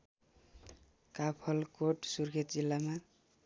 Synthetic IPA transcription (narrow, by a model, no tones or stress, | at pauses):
kapʰʌlkoʈsuɾkʰet̪d͡ʒilːama